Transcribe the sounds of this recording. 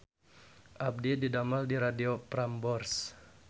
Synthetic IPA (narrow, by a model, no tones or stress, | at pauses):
ʔab̚dididamaldiɾadiopɾambɔrs